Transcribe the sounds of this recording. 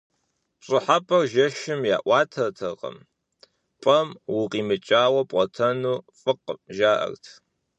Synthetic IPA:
pɕʼɨħapʰʼɐrʒɐʃɪmja̰ːʔʷɑːtʰɐrtʰɐʁɐ̰m | pʼɐmwʊqiːmɨt͡ʃʼaːwɐpʼɔtʰɐnuːfʼɨqəʒaːʔɐ̰rtʰ

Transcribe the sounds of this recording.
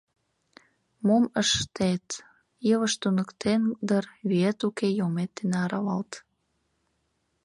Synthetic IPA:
moməʃt̪et̪ | jəβəʃt̪unəkt̪end̪ərβyet̪ukejomet̪̚ːenɑɾɑβɑlt̪

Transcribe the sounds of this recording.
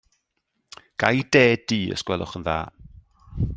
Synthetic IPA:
ɡ̥ajdeːd̥iːə̰skwɛlˠʊ̰χənða̰ː

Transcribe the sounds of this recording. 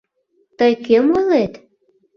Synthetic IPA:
t̪əjkemolet̪

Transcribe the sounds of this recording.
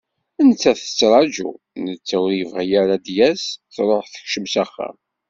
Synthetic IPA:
ənt͡sːæθə̥t͡sːɾˤɑd͡ʒṵ | nət͡sːæwɾivʁjæɾad̪jæsθɾˤoħθə̥çʃəmsæχːə̰

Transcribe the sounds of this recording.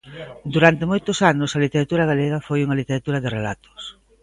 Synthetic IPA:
d̪uɾant̪emojt̪ʊsanʊsɐlit̪eɾat̪uɾɐɣaleɣɐfojuŋɐlit̪eɾat̪uɾɐðɪrela̰t̪ʰʊ̥s

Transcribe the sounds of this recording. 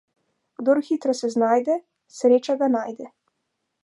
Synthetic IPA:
ɡ̥d̪oːɾxiːt̪ɾasɛznaːjd̪ɛ | sɾeːt͡ʃaɡanaːjd̪ɛ

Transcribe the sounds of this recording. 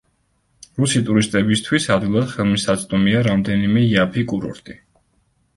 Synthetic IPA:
ɾusit̪ʼuɾist̪ʼɛbist̪ʰwisad̪ɡilˠad̪̥χɛlˠmisat̪sʼd̪ʼɔmiaɾamd̪ɛnimɛiapʰikʼuɾɔ̰ɾt̪ʼi

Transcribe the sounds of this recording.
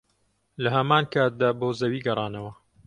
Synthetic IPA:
lɐɦɐmaːnkaːt̪̚d̪aːboːzɐwiːɡɐrˤɑːnɐwɐ

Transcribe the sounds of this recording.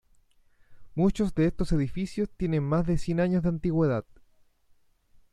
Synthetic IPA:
mut͡ʃozðeest̪ose̞ðifisjost̪je̞ne̞nmazðesje̞naɲozðeant̪iɣweðað̥̚

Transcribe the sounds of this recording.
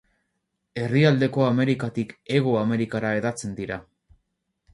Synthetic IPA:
e̞riald̪e̞ko̞ame̞ɾikat̪ike̞ɣ̞oame̞ɾikaɾae̞ðat͡se̞nd̪iɾa

